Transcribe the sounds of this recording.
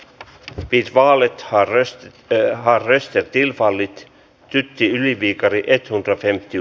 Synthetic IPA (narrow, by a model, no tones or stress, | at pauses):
pit̪ʋɑːlet̪ɑ | hɑrːest̪ert̪ilfɑlːit̪ | t̪yt̪ːiyliʋiːkɑɾiʔet̪hunt̪ɑfemt̪ːi